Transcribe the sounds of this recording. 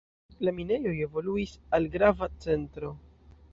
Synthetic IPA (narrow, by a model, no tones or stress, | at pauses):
lamine̞jo̞je̞vo̞luisalɡɾavat͡se̞ntɾo̞